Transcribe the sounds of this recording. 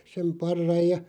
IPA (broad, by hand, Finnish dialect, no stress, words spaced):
sem pɑrːɑj jɑ